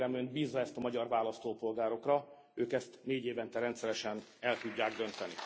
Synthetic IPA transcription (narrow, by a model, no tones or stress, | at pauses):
ɾɛmønd̪biːzːɒɛst̪ɒmɒɟɒrvaːlɒst̪oːpo̞lɡaːɾo̞krɒ | øːkɛst̪neːɟeːvɛnt̪ɛɾɛnt̪sɛɾɛʃɛn | ɛlt̪uɟːaːɡd̪ø̞nt̪ɛnḭ